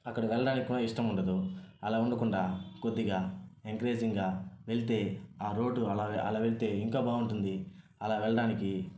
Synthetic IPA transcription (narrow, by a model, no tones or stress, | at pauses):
ɐkːɐɽɐʋɛɭːɐɽaːnikʲikːuːɽaiʂʈɐmuɳɖɐd̪uɐlaːuɳɖɐkuɳɖaːkod̪ːiɡaːeŋkɾeːd͡ʒiŋɡaːʋe̞ɭit̪e̞ːaːɾo̞ːɖːuɐlaːɐ̰laːʋe̞ɭit̪e̞ːiŋkaːbaːɡuɳʈund̪i | ɐlaːʋɛɭɐɽaːniki